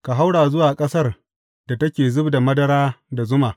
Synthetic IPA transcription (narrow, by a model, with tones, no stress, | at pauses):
ka˨ɦa˦wɽaː˨zʊ˦waː˨kʼɐ˦sɐ˦r | d̥a˨tɐ˦kʲeː˨zʊ˦bda˨mɐ˦dɐ˦ɾaː˦da˨zʊ˦maː˨